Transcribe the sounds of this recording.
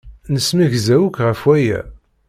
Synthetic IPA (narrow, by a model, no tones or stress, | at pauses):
nəsmiʝzæwukʁəfwæjæ̰